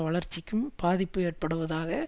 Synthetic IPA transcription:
ʋɐɭɐɾt͡ʃːɪkːɯmpaːðɪpːɯeːrpɐɽɯʋɐðaːɣɐ

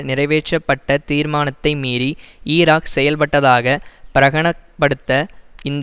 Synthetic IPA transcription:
nɪɾɐɪʋeːt͡ʃːɐpːɐʈːɐt̪iːɾmaːnɐt̪ːɐɪmiːɾiiːɾaːksɛjɐlpɐʈːɐðaːɣɐpɪɾɐɣɐɳɐpːɐɽɯt̪ːɐɪnd̪

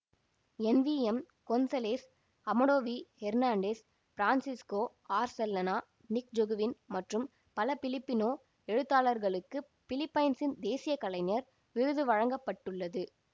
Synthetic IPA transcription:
ɛnʋiːɛm | konsɐleːs | ɐmɐɽoːʋiːhɛɾnaːɳɖeːs | fɪɾaːnsɪskoː | aːɾsɛlːɐnaː | nɪk̚d͡ʒɔɣɯʋɪnmɐʈrɯm | pɐlɐpɪlɪpːɪnoː | ɛɻɯt̪ːaːlɐɾɣɐɭɯkːɯ | pɪlɪpːɐɪnsɪnd̪eːsɪjɐkːɐlɐɪnɐɾ | ʋɪɻɯðɯʋɐɻɐŋɡɐpːɐʈːɯɭːɐðɯ

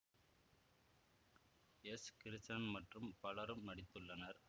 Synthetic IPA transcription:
ɛskɪɾɪsɐnmɐʈrɯmpɐlɐɾɯmnɐɽɪt̪ːɯɭːɐnɐɾ

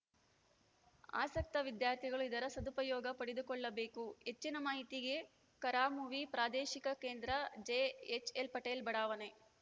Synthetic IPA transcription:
a̰ːsɐk̚t̪ɐʋid̪jaːɾt̪ʰiɡɐɭuid̪ɐɾɐsɐd̪upɐjɔːɡɐpɐɽed̪ukɔɭːɐbe̞ːkuet͡ʃːinɐmaːɦit̪iɡe̞ | kɐɾaːmuʋipɾaːd̪eːʃikɐke̞ːnd̪ɾɐd͡ʒeːet͡ʃelpɐʈeːlbɐɽaːʋɐne

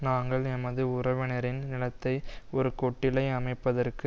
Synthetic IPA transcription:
naːŋɡɐɭɛmɐðɯʊrɐʋɪnɐɾɪnnɪlɐt̪ːɐɪɔɾɯkɔʈːɪlɐɪɐmɐɪpːɐðɐrkɯ

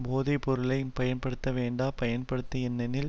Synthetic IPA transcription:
boːðɐpɔɾɯlɐɪnpɐjɐnpɐɽɯt̪ːɐʋeːɳɖaːpɐjɐnpɐɽɯt̪ːɐɛnːɐnɪl

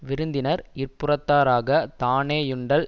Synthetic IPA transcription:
ʋɪɾɯnd̪ɪnɐɾɪrpɯrɐt̪ːaːɾaːɣɐt̪aːneːjʊɳɖɐl

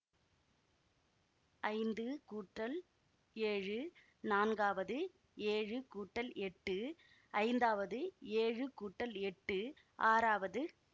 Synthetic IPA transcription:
ɐɪnd̪ɯkuːʈːɐl | eːɻɯ | naːnɡaːʋɐðɯ | eːɻɯkuːʈːɐlɛʈːɯ | ɐɪnd̪aːʋɐðɯeːɻɯkuːʈːɐlɛʈːɯ | ʔaːɾaːʋɐðɯ

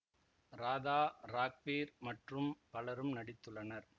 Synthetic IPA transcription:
ɾaːðaːɾaːk̚ʋiːɾmɐʈrɯmpɐɭɐɾɯmnɐɽɪt̪ːɯɭːɐnɐɾ

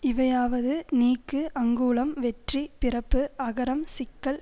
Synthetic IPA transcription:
ɪʋɐjaːʋɐðɯniːkːɯʔɐŋɡuːlɐmʋɛʈripɪrɐpːɯɐɣɐɾɐmsɪkːɐɭ

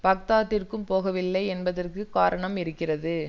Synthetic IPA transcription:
pɐk̚t̪aːt̪ːɪrkɯmpoːɣɐʋɪlːɐɪɛnbɐðɐrkɯkːaːɾɐɳɐmɪɾɯkːɪrɐðɯ

